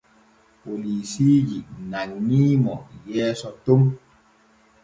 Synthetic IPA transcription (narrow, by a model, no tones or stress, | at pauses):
poliːsid͡ʒinaŋnimɔjɛːsɔtom